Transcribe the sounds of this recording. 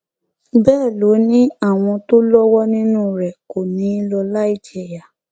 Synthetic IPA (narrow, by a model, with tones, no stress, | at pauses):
bɛː˦˨lo˨˦nĩ˦a˦˨w̃ɔ̃˧to˦lɔ˦wɔ˦nĩ˦nũ˦ɾɛ˨ko˨nĩ˨˦lɔ˧la˦i˦˨d͡ʒe˦˨ja˨